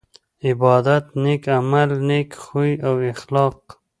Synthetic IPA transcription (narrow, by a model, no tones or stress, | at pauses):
ɪbɑd̪at̪nekamalnekxujawɪxlɑːq